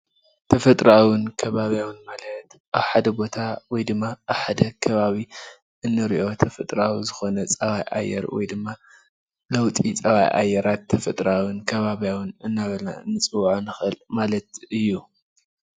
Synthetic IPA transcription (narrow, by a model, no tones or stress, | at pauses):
t̪ʰɐfɐt̪ʼɾawɨnkʰɐβaβijawɨnmalɐt̪ʔaβħad̪ɐbo̞t̪ʰawɔjd̪ɨmːaʔaβħad̪ɐkʰɐβaβi | ʔɨnːɨɾiʔo̞t̪ʰɐfɐt̪ʼɾawzɨxo̞nɐt͡sʼɐβajʔa̰jːɛ̰ɾwɔ̰jd̪ɨmːa | lɐwt̪ʼit͡sʼɐβa̰jʔa̰jːɛɾat̪ʰːɐfɐt̪ʼɾawɨnkʰɐβaβijawɨnɨnːaβɐlna̰ɨnːɨt͡sʼɨwʕnɨxɨlmalɐt̪̚ɨjːu